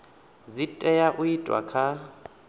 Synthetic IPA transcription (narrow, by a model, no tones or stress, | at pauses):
d͡zitʼɛjaʔʊitʼwa̰kʰa